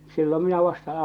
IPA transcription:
silːom minæ ʋɑstɑ

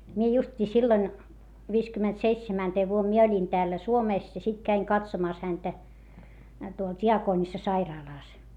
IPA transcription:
mie justʲiː silːoĭn ʋiːskymːentseitsemænteːʋ ʋuom mie olʲin tæːlːæ suomeˑs jɑ sit kæiŋ kɑtsomɑˑs hæntæ tuol tʲiɑkoːnisːɑsɑirɑːlɑˑs

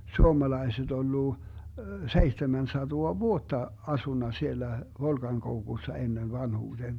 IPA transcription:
suomɑlɑiset olːu seihtemæn sɑtoɑ ʋuotːɑ ɑsunːɑ sielːæ ʋolkɑŋkoukusːɑ enːen ʋɑnhuːd̥eːn

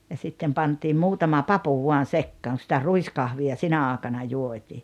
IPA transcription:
jɑ sitːem pɑntim muːtɑmɑ pɑpu ʋuɑn̞ sekːɑːŋ ku sĭtæ ruiskɑhʋiɑ sinæ ɑːĕkɑnɑ juotʲiː

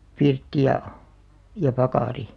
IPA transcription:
pirtːi jɑ jɑ pɑkɑˑri

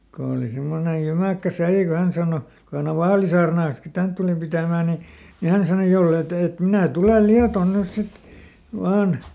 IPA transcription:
ko oˑli semːone jymækːæ sælːi ko hæn sɑˑno ko hæn oʋ ʋɑːlisɑːrnɑːn̞ski tænt tulup pitæˑmæː ni ni hæn sɑno jolːeˑ t et et minæˑ tulel liɑton nys sit ʋɑːn

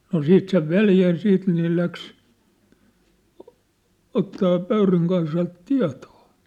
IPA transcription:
no siːt seʋ ʋeljæ jɑ siːt nĭ ne læks otːɑː pøyryŋ kɑisɑlt tiɑ̝to̥ː

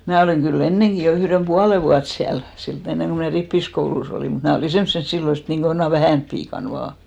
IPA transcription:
mæː oliˑŋ ɡ̊yl enːeŋki jo yhrem puɑle ʋuɑt siæl silt enːeŋ ko mnæˑ ripːiskoulus oliˑ mut mnæˑ oliˑ semsːen silːo niːŋko jonɑ ʋæhæˑnp piːkɑn ʋɑː

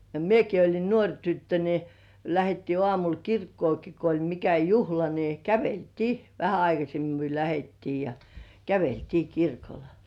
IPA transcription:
jɑ mieki olʲin nuorʲ tytːø ni læhetːiː ŏɑˑmul kirkːoːki ko olʲ mikæ juhlɑ ni kæʋeltiː ʋæhæ ɑikɑsemːi myø læhetːiː jɑ kæʋeltiː kirkol

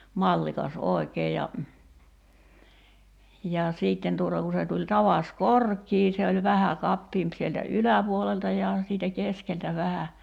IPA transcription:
mɑlːikɑs oˑe̝keː jɑ jɑ siːtːen tuŏtɑ ku se tulʲ tɑʋɑs korkˑiː se olʲ ʋæhæ kɑpːiːmp sieltæ ylæpuoleltɑ jɑ siːtæ keskeltæ ʋæhæ

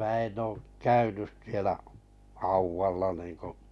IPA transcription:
mæː en oːk kæynys sielæ hɑuwʋɑlːɑ niːŋko

